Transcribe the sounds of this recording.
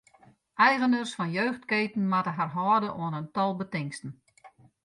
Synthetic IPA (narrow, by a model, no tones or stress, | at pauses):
ʔɛjɣənərsfɔnjøːxtkeːtn̩matəɦarɦɔːdəʔoənəntɔlˠbətɪŋstən̩